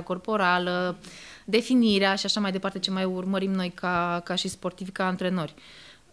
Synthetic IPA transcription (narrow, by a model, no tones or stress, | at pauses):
ko̞rpo̞ɾaləd̪e̞finiɾeaʃiaʃamajd̪e̞paɾrt̪e̞t͡ʃe̞majurməɾimno̞jkʰakaʃispo̞rt̪ivʲkaːnt̪ɾe̞no̞rʲ